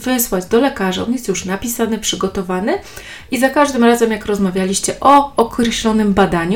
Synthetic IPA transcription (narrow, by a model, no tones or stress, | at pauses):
vɛswad͡ʑd̪ɔlɛkaʐaɔ̰njɛst̪juʂnapʲisanɘpʂɘɡɔt̪ɔvanɘ | izakaʐd̪ɘmɾazɛmjakɾɔzmavʲjalʲiɕt͡ɕɛʔɔɔkɾɛɕlɔnɘmbad̪aɲu